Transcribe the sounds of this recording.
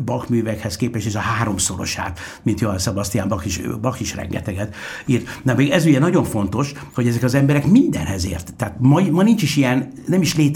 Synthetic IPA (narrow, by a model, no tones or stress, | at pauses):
bɒkmyːvɛkhɛskeːpɛʃiʃɒɦaːɾo̞mso̞ɾo̞̰ʃa̰ːt̪mint̪joɛnsɒbɒst̪ijaːmbɒkiʃbɒkiʃrɛ̰ŋɡɛ̰t̪ɛɡɛt̪irt̪nɒmeːɡɛzyɟɛnɒɟo̞ɱfo̞n̪t̪o̞ʃ | hoɟɛzɛkɒzɛmbɛɾɛkmind̪ɛ̰nɦɛzḛːrt̪ːaːt̪mɒmɒnint͡ʃiʃijɛn | nɛmiʃleːt̪